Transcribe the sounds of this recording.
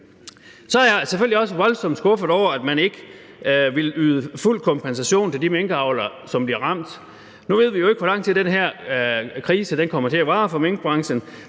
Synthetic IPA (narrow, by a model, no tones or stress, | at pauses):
sɒɑɐjɑ̈ɪseføl̰liɒ̽səʋɒ̽lsɒ̽md̥sɡ̥ɔ̽fəð̩ˠɒʊɐæd̥mæne̝ɡ̥ə | ʋe̝lyːðˠəful̰kʰɒ̽mpʰensæɕo̝̰ːnt͡sʰe̝ldimeŋɡ̥əɑ̈ʊlɐsɒ̽mb̥liɐʁɑ̈m̰d̥ | nuʋe̝ð̞̰ˠʋijoe̝ɡ̥ʋɒlɑ̈ŋ̰t͡sʰe̝ld̥enɦæɐ̰kʰʁiːsəd̥enkʰɒ̽m̰ɐt͡sʰe̝æʋɑ̈ːfɒ̽meŋɡ̥əb̥ʁɑ̈ŋsən